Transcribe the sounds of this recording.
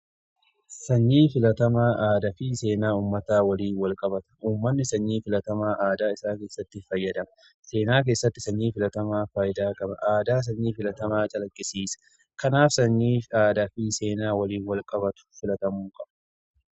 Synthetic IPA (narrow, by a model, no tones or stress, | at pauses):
sɐɲːiːfɪlɐt̪ɐmaːʔaːd̪ɐfiːseːnaːuːmːɐt̪aːwɐliːnwɐlkʼɐbɐt̪ɐ̥uːmːɐnːɪsɐɲːiːfɪlɐt̪ɐmaːʔaːd̪aːɪsaːke̞ːsːɐt̪ːɪfɐjːɐd̪ɐm | se̞ːnaːk̬e̞ːsːɐt̪ːɪsɐɲːiːfɪlɐt̪ɐmaːfaːjɪd̪aːkʼɐbɐ̰ʔaːd̪aːs̬ɐɲːiːfɪlɐt̪ɐmaːt͡ʃʼɐlɐkʼːɪsiːsɐ̥ | kɐnaːfsɐɲːiːaːd̪ɐfiːse̞ːnaːwɐliːnwɐlkʼɐbɐt̪ʊ̥fɪlɐt̪ɐmuːkʼɐb̥